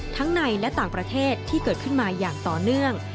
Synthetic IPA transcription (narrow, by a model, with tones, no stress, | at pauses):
t̪ʰa˦˥ŋna˧jlɛ˦˥t̪aː˨˩ŋpɾa˧t̪ʰeː˥˩t̪ʰːiː˥˩kɤː˨˩t̪̚kʰɯ˥˩nmaː˧jaː˨˩ŋt̪ɔː˨˩nɯ˥˩əŋ